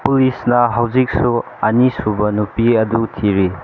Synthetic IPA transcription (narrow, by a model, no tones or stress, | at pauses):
pulisnɐɦawzik̚su | ɐnisubɐnupiɐdutʰiɾi